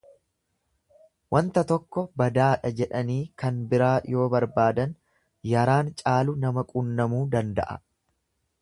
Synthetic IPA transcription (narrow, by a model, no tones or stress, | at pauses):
wʔɐnt̪ɐt̪ɔkːɔbɐd̪aːᶑɐd͡ʒɛᶑɐniːkɐnbɪɾaːjo̞ːbɐɾbaːd̪ɐn | jɐɾaːnt͡ʃʼaːlʊnɐmɐkʼunːɐmuːd̪ɐnd̪ɐ̰ʔɐ̰